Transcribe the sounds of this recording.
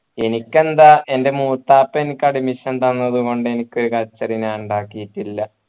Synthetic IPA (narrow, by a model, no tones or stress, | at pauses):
e̞nikʲːe̞nd̪aʔe̞nde̞muːt̪ːaːpːɐenikːɐɖimiʂɐnt̪ɐnːɐðuɣo̞ɳɖɨe̞nikʲːo̞ɾukɐt͡ɕːɐrinaːuɳɖaːkːijitːilːɐ